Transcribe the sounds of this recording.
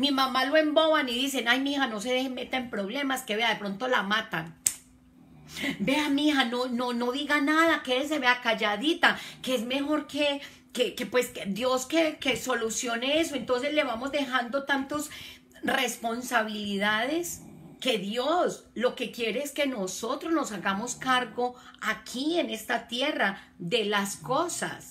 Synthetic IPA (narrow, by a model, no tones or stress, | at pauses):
mimamaloe̞mbo̞βaniðis̬e̞najmixano̞s̬e̞ðeheme̞t̪aempɾo̞βle̞maske̞βeaðepɾo̞nt̪o̞lamat̪an | be̞amixanonono̞ðiɣanaðakes̬e̞βeakaʝaðit̪akeezme̞xo̞ɾke̞ | kekepwe̞skd̪jo̞skeke̞so̞lusjo̞nees̬o̞e̞nt̪o̞ns̬e̞zle̞βamo̞zd̪e̞xand̪o̞t̪ant̪os | re̞spo̞nsaβililiðaðeske̞ðjo̞slo̞ke̞kje̞ɾe̞eske̞no̞so̞t̪ɾozno̞saɣamo̞skaɾɡo̞akʰie̞ne̞st̪at̪je̞ra | ðe̞lasko̞sa̰s